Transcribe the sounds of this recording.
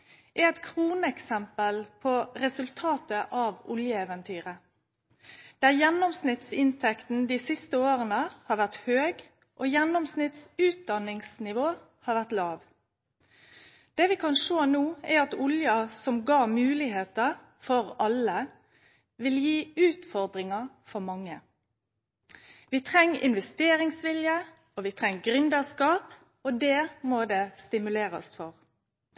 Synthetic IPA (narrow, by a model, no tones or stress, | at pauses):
ʔɛɛt̪kʰʁuːnəɛksɛmpəlpʰɔɾɛsʉlt̪ʰɑːt̪əʔɑʋʊljəɛːʋənt̪ʰyːʁə | d̪̥æjɛnɔmsnɪt̪sɪnt̪ʰɛkt̪n̩d̪iːsɪst̪əoːʁənəhɑːɾʋæʁt̪høːɡ | ʔoːjɛnːɔmsnɪt̪sʉːt̪̚d̪ɑnɪŋsnɪʋoː | hɑːɾʋæʁt̪lɑːʋ | d̪̥ɛːʋɪkʰɑnʂoːnuːɛɾɑt̪ʊljɑsɔmɡɑːmʉːlɪɦeːt̪ə | fɔɾɑlə | ʋɪljiːʉːt̪fɔʁd̪ɾɪŋɑ | fɔɾmɑŋːə | ʋɪt̪ʰʁɛŋːɪ̰nʋɛst̪eːɾɪŋsʋɪljə | ɔʋɪt̪ʰʁɛŋːɡɾʏnd̪əskɑːp | ɔd̪ɛːmod̪ɛst̪ɪmʉleːɾə̰st̪fɔʁ